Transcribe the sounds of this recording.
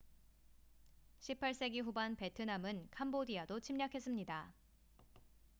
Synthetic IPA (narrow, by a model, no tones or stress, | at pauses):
ɕʰipʰaɭs͈e̞ɡiɸubanpe̞tʰɯnamɯnkʰambodiadot͡ɕʰimɲakʰe̞s͈ɯmɲida